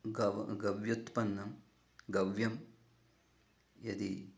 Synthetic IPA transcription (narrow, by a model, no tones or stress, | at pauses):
ɡɐɡɐʋjut̪pɐnːɐm | ɡɐʋjɐm | jɐd̪i